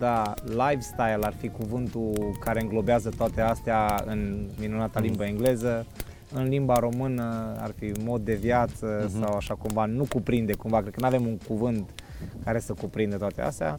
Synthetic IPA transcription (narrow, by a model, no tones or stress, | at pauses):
d̪alajvst̪ajlarfikuvɨnt̪ukaɾe̞ɨŋɡlo̞beazət̪oat̪e̞ast̪eaɨ̰nminunat̪alimbəeŋɡle̞zə | ɨnlimbaɾo̞mɨnəa̰rfimo̞d̪̚ːe̞vjat̪səsawaʃakumvanukupɾind̪e̞kumvakɾed̪kənuave̞muŋkuvɨnt̪kaɾe̞səkupɾind̪ət̪oat̪ea̰st̪ea̰